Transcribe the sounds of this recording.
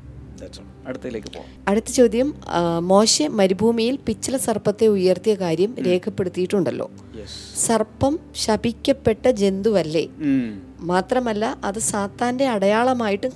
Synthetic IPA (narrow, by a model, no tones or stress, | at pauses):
ɐɽut̪ːɐileːkʲːɨpo̰ː | ɐɽut̪ːɐt͡ɕo̞ːd̪jɐmmo̞ːɕemɐɾibʱuːmijilpit͡ɕːɐlɐsɐrpɐt̪ːe̞ujɐrt̪ijɐkaːɾjɐmɾe̞ːkʰɐpːe̞ɽut̪ːijiʈːuɳɖɐlːo̞̰ː | jsɐrpːɐmɕɐbʱikʲːɐpːe̞ʈːɐd͡ʑe̞nd̪uʋɐlːe̞̰ | maːt̪rɐmɐlːɐʔɐðɨsaːt̪ːaːnde̞ɐɽɐjaːɭɐmaːjiʈːɨ